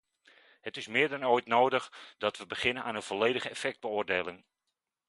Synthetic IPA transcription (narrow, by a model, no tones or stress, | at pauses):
hətɪsmɪːɹdɔnojtnowdəχdɔtʋəbəχɪnənaːnənvoleːdəɣəɛfɛk̚d̚bəʊːrdeːlɪŋ